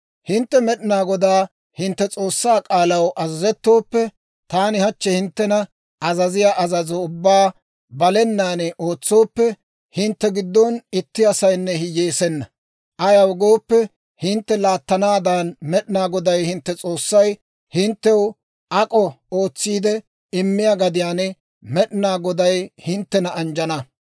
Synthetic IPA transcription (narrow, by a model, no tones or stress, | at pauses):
hɪnt̪ːɛmɛɗɪnaːɡɔd̪aː | hɪnt̪ːɛt͡sʼo̞ːsːaːkʼaːlɐwʔɐzɐzɛt̪ːo̞ːpːɛ | t̪aːnɪhɐt͡ʃːɛhɪnt̪ːɛnɐ | ʔɐzɐzɪjaʔɐzɐzɔʊbːaː | bɐlɛnːaːnɛʔo̞ːt͡sːo̞ːpːɛ | hɪnt̪ːɛɡɪd̪ːɔnɪt̪ːɪɐsɐjnːɛhɪjeːsɛnːɐ | ʔɐjɐwɡo̞ːpːɛ | hɪnt̪ːɛlaːt̪ːɐnaːd̪anmɛɗɪnaːɡɔd̪ɐjhɪnt̪ːɛt͡sʼo̞ːsːɐj | hɪnt̪ːɛw | ʔɐkʼɔ | o̞ːt͡sːiːd̪ɛ | ɪmːɪjaːɡɐd̪ɪjaːnɛ | mɛɗɪnaːɡɔd̪ɐjhɪnt̪ːɛnɐɐnd͡ʒɐnɐ